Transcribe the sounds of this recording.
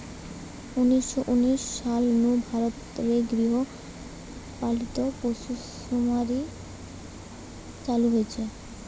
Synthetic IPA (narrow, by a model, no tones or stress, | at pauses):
uniʃːoʔuniʃːalnubʱaɾot̪ɾeɡɾiɦo | palit̪oposu | omaɾi | t͡ɕaluɦoet͡ɕʰe